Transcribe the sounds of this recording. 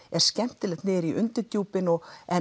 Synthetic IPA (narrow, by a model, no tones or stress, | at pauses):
ɛɾ̥scɛm̥t̪ɪlɛt̪nɪːɾiʔʏnt̪ʏc̪uːpɪnɔɣɛ